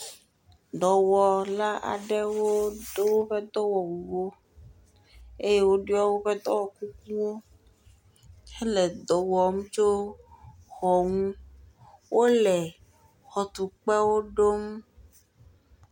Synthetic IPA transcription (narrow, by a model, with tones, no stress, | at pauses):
d̪ɔ˨wɔ˨la˦ʔa̰˨ɖɛ˦wo˦do˦wo˦ɸe˦d̪ɔ˦wɔ˨wu˨wo˦ | e˦je˦wo˦ɖi˦ɔ˦wo˦ɸe˦d̪ɔ˦wɔ˨ku˦k̚ũ˦wo˦ | e˦le˨d̪ɔ˨wɔ˨mu˦t͡ʃo˦ | xɔ˨ŋũ˦ | wʔo˦lɛ˨ | xɔ˨t̪u˨k͡pe˦wo˦ɖo˦m